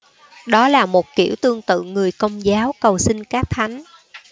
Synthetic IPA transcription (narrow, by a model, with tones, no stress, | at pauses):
ɗɔ˨˦laː˨˩mo˨˩t̚kḭ˧˩əwt̪ɨ˧əŋt̪ɨ̰˧˨ŋɨ˨˩əjkə˧wŋ͡mzaː˨˦wkə˨˩wsï˧ŋkaː˦˥k̚t̪ʰa˨˦jŋ̟